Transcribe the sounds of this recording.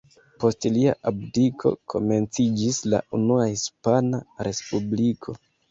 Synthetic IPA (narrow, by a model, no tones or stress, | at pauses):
po̞stliaʔabdikʰo̞̰kʰo̞̰me̞nt͡sid͡ʒisla̰unuahispanaɾe̞spublikʰo̞